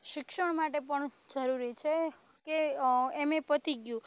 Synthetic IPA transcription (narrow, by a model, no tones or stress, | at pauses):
ʃɪkʃəɳmaʈepəɳd͡ʒəɾuɾit͡ʃʰe | keemepət̪ʰiɡjũ